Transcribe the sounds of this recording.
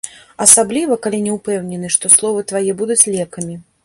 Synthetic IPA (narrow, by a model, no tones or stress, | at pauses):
ɐsablʲivɐkalʲinʲɛupɛwnʲɛnɨʂt̪ɔslˠɔvɨt̪vajɛbud̪ut͡sʲlʲɛkɐmʲi